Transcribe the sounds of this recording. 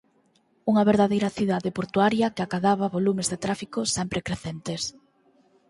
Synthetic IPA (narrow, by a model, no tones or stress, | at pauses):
uŋɐβeɾðaðejɾɐθiðaðepoɾt̪uaɾjɐkɪakaðaβɐβolumezðet̪ɾafikosɛmpɾekɾeθɛnt̪es